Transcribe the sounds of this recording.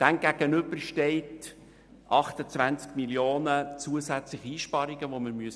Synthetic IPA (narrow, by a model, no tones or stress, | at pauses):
d̥ɛnɡæɡ̥ənʏbəɾʃteɪt | ʔɑχtət͡svænt͡skmiljoːnət͡suəsæt͡slɪχiiːʃpɑɾiɡəʋoməɾmyəs